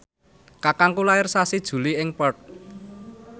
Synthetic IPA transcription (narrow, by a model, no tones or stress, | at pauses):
kakaŋkulaɪrsasid̥ʒ̥ṳliɪŋpət̪̚